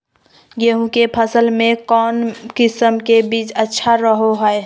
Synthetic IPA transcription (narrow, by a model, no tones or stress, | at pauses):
jəɦũkepʰəsəlmẽkɔːnkɪsəmkebiːt͡ʃətːʃʰaɾəɦoɦəe